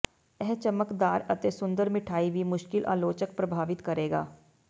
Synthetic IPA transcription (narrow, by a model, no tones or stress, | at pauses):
ɛɦt͡ʃəməkd̪aːɾət̪esʊ̃nd̪əɾmɪʈʰaːibʱimʊʃkɪlʔa̰ːloːt͡ʃəkpɾəbʱaːʋɪt̪kəɾeːɡa̰ː